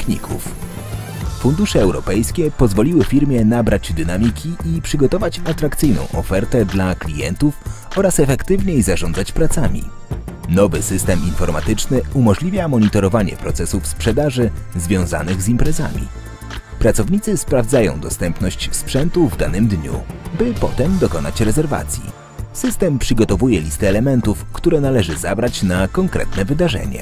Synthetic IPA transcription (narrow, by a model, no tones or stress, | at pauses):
kɲḭkʰṵf | fund̪uʂɛːwɾɔpɛjskʲɛpɔzvɔlʲiwɘfʲiɾmʲjɛnabɾad͡ʑd̪ɘnamʲikʲʰiʔipʂɘɡɔt̪ɔvat͡ɕat̪ɾakt̪sɘjnɔ̰̃w̃ʔɔfɛɾt̪ɛd̪laklʲijɛ̰nt̪ufɔɾasɛfɛkt̪ɘvɲejzaʐɔ̃ndzat͡ɕpɾat̪samʲḭ | nɔvɘsɘst̪ɛminfɔɾma̰t̪ɘt͡ʂnɘumɔʐlʲivʲjamɔɲit̪ɔɾɔvaɲɛ̰pɾɔt̪sɛsufspʂɛd̪aʐɘzvʲjɔ̃w̃za̰nɘɣzimpɾɛza̰mʲḭ | pɾat̪sɔvɲit̪sɘspɾavd̪zajɔ̰̃w̃d̪ɔst̪ɛmpnɔɕt͡ɕspʂɛnt̪uvd̪anɘmd̪ɲṵbɘpɔt̪ɛmd̪ɔkɔnat͡ɕɾɛzɛɾva̰t̪sʲjḭ | sɘst̪ɛmpʂɘɡɔt̪ɔvujɛlʲist̪ɛːlɛmɛnt̪ufkt̪uɾɛnalɛʐɘzabɾat͡ɕnakɔŋkɾɛ̰t̪nɛvɘd̪aʐɛ̰ɲɛ̰